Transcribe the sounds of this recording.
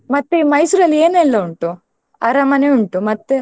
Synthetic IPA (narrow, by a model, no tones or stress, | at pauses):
mɐt̪ːemɐjsuɾɐlːieːnɛlːɐuɳʈu | ɐɾɐmɐnejuɳʈumɐt̪ːe